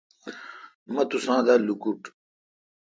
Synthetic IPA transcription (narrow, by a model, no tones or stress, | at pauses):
mɐt̪usãːd̪alukuʈ